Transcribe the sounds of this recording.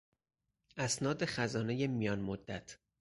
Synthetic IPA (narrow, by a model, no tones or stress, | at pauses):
ʔæsnɒːd̪e̞xæzɒːne̞jemijɒːnmod̪ːæt̪ʰ